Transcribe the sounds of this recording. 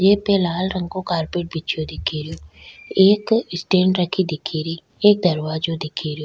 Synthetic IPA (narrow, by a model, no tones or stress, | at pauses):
jeːpɛːlaːlɾə̃ŋɡkokaːɾpeːʈ̚bit͡ʃʰjoːd̪ɪkʰːiːɾɪjoːeːksʈeːɳɖɾəkʰːid̪ɪkʰːiɾiː | eːk̚d̪əɾʋaːd͡ʒoːd̪ɪkʰiɾɪjo